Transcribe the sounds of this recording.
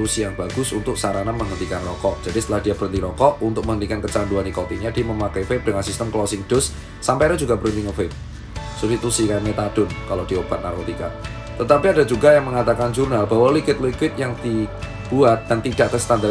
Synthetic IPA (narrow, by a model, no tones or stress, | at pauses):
usijaŋb̥aɡ̥ʊsunt̪ʊk̚saɾanaməŋənt̪ikanrɔkɔʔd͡ʒ̥adisət̪əlahdiabəɾənt̪iɾɔkɔʔunt̪ʊk̚məŋəndikankət͡ʃanduanikɔp̪iɲad̥i̤məmakɛjfep̚d̥əŋansist̪əmklɔsɪŋd̥ʊsː | ampajɾad͡ʒuɡabəɾuniŋanfɪp̚ | susit̪usikaɲat̪ad̥ʊnkalod̥iob̥a̤t̪̚narkot̪ika̰ | t̪ət̪apiadad͡ʒuɡajaŋməŋat̪akand͡ʒurnalbawalikɪt̪̚likɪt̪̚jaŋd̪̥i | b̥uat̪̚d̥ant̪idaʔ̚k̪əst̪anda